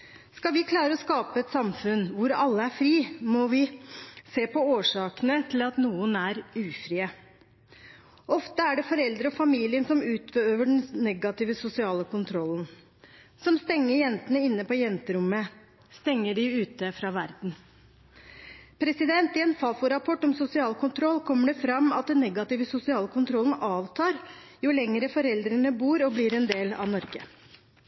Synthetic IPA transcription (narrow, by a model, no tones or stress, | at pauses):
skɑlʋɪkʰlɑːɾəɔskɑːpəɛt̪sɑmfʉnʋʊɾɑlːəæɾfɾiːmɔʋɪseːpɔoːʂɑːkənət̪ʰɪlɑt̪nuːənæɾʉːfɾiːə | ʔɔft̪əæɖɛfɔɾɛld̪ɾəɔfɑmiːlɪənsɔmʉːt̪bəøːʋəɖɛn̩nɛɡɑt̪ɪːʋəsʊsɪɑːləkʰʊnt̪ʰɾɔlːən | sɔmst̪ɛŋːəɾjɛnt̪ənəɪnːəpɔjɛnt̪əɾʊmːə | st̪ɛŋːəɖɪʉːt̪əfɾɑːʋæɾd̪n̩ | pʰɾɛsɪd̪ɛnt̪ɪɛnfɑːfʊɾɑpʰɔʈːɔmsʊsɪɑːlkʰʊnt̪ʰɾɔlːkʰɔmːəɖɛfɾɑmːɑt̪̚d̪ɛnːɛɡɑt̪ɪʋəsʊsɪɑːləkʊnt̪ʰɾɔlən̩ɑːʋt̪ʰɑːɾ | jʊlɛŋɾəfɔɾɛld̪ɾənəbuːɾɔblɪɾɛnd̪eːlɑ̰ʋnɔɾɡə̰